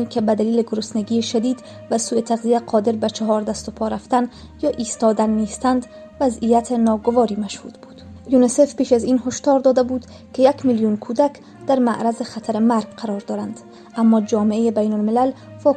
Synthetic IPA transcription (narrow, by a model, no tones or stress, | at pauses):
ikʰebæd̪æliːleɡoɾʊsneɡiːeʃæd̪iːd̪ | væsuːjet̪ʰaɣzijaqʰɒːd̪eɾbæt͡ʃʰaɦɒːɾd̪æst̪opʰɒɾaft̪æn | jɒːʔiːst̪ɒːd̪ænːeːst̪ænd̪ | væzijæt̪ʰenɒːɡovɒːɾimæʃhuːd̪bud̪̥ | junesefpeʃaziːnhoʃt̪ɒːɾd̪ɒːd̪abud̪ | kʰejækmiljunkʰud̪æk | d̪̥æɾmaʔɾazexat̪ʰaɾemæɾɡ̥qaɾɒɾd̪ɒːɾand̪ | amːɒːd͡ʒɒːmeejebæjnolmɪlælfɒː